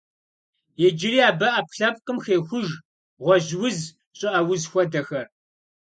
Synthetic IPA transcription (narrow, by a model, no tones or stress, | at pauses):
jeːd͡ʒɪriːaːbɐʔɐp̚ɬɐp̚ʼqʼɨmxeːxʷʊʒ | ʁʷɔʑwʊz | ɕʼɪʔɐwʊzxʷɔdɐxɐr